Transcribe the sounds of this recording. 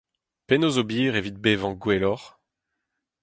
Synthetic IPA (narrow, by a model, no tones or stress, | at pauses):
penozobiːʁevit̪̚bevɑ̃ɡwelɔʁ